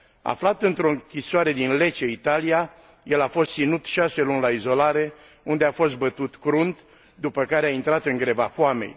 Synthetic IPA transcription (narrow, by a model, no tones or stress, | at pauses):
a̰flat̪ɨnt̪ɾo̞ɨŋkʲisoaɾe̞d̪inle̞t͡ʃeit̪alija | je̞lafo̞st̪sinut̪ʃase̞lunʲlaizo̞laɾe̞ | und̪e̞afo̞s̬t̪̚bət̪ut̪kɾunt̪ | d̪upəkaɾeaint̪ɾat̪ɨŋɡɾe̞vafoame̞̰j